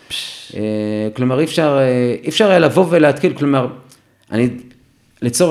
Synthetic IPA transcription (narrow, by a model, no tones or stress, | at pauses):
eklo̞maʁifʃaʁeifʃaʁlavo̞veleat̪kilklomaʁ | ʔa̰ni | lit͡so